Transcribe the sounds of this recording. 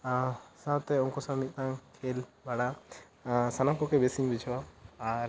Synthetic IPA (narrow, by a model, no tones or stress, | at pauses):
sãwt̪ɛɔ̃ŋkɔsãmit̪̚t̪ãŋkʰelbaɽa | sanamkɔkɛbesiɲbit͡ʃʰwaːɾ